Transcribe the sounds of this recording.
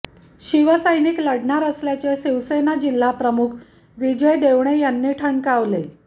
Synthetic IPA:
ɕiʋəsəjnikləɽɳaɾəsljat͡seɕiʋsenad͡ʑil̤ːapɾəmukʰ | ʋid͡ʑəjd̪eʋɳejanːiːʈʰəɳkaʋle

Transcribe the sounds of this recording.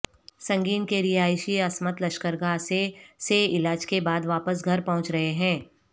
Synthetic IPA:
sɐ̃ŋɡiːnkeɾɪɦaːɪʃiɐsmət̪lɐʃkəɾɡaseseɪlaːd͡ʒkebaːd̪ʋaːpəs̬ɡʱɐɾpɐɦʊ̃t͡ʃɾɐɦeɦɛ̃ː

